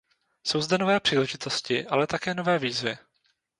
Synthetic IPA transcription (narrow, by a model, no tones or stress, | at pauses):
so̞wzdɛno̞vɛːpr̝̥iːlɛʒɪt̪o̞scɪʔalɛt̪akɛːno̞vɛːviːzvɪ